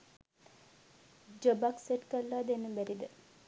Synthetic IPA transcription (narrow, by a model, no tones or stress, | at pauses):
d͡ʒobakseʈkəlːaːd̪enːəbæɾid̪ə